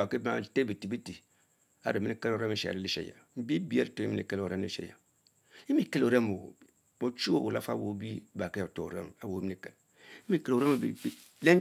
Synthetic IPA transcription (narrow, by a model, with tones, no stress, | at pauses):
a˨ke˦ba˨te˦bi˨ti˨bi˦ti˨ | a̰˦ɾe˨mi˦ni˦ke˦lo˨ɾe˦mi˦ʃḛ˨a̰˨ɾi˦li˦ʃḛ˦˨ja̰˨m̩˨˦bi˦bi˨˦e˦˨to˨˦i˦mi˦nḭ˨ke˦lo˨ɾe˦ḭ˦ḛ˦ja̰˨ | i˦mi˦˨ke˦lo˨ɾe˦mo˨ | o˨t͡ʃu˦wo˦bo˨la˦fa̰˦wo˨˦bi˦ba˨ke˦jto˨o̰˨ɾḛ˦m˨a˨wo˨˦mi˦ni˨kɛ˨l | i˦mi˦˨ke˦lo˨ɾe˦m˨bi˨ | le˦